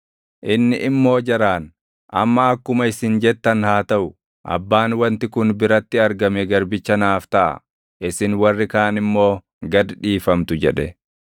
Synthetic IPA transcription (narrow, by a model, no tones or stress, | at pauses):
ʔɪnːɪʔɪmːo̞ːd͡ʒɐɾaːn | ʔɐ̰mːɐɐkːʊmɐɪsɪnd͡ʒɛt̪ːɐnhaːt̪ɐʔʊ | ʔɐ̰bːaːnwɐnt̪ɪkʊnbɪɾɐt̪ːɪɐɾɡɐmɛɡɐɾbɪt͡ʃːɐnaːft̪ɐʔɐ̰ | ʔɪsɪnwɐrːɪkaːnɪmːo̞ː | ɡɐd̪ᶑiːfɐmt̪ʊd͡ʒɛᶑɛ